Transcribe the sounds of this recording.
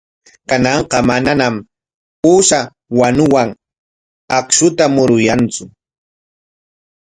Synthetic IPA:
kanɑɴqɑmananam | puːʃa | wanʊwaŋ | akʃʊt̪amʊɾʊjant͡sʊ

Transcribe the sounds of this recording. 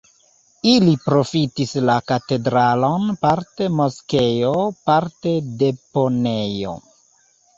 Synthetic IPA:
ilipɾo̞fitislakate̞dɾalo̞npaɾte̞mo̞skejo̞paɾte̞de̞po̞nejo̰

